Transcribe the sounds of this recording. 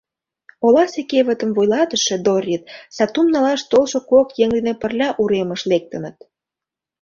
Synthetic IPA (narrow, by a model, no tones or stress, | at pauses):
olɑsekeβə̆t̪ə̆mvojlɑt̪əʃĕd̪orʲit̪̚sɑt̪umnɑlɑʃt̪olʃokokjeŋd̪enepə̆rlʲɑʔuɾemə̆ʃlek̚t̪ə̆nət̪̚